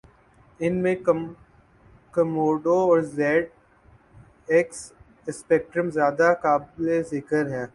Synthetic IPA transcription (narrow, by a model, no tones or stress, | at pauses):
ɪnmẽ | kɐmoːɖoɔːɾzɛːʈ̚ | ɛks | ɪspɛːk̚ʈɾəmzjaːd̪akaːblezɪkəɾɦɛː